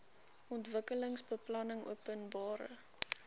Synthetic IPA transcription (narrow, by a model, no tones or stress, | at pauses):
ʔɔntvəkələŋsbəplɐnəŋṵəpənbɑːɾə̰